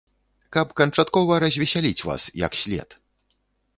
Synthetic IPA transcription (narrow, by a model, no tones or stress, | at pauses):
kɐpkɐnt͡ʂat̪kɔvɐɾɐzʲvʲɛsʲalʲit͡sʲva̰sjɐ̰ksʲlʲɛ̰t̪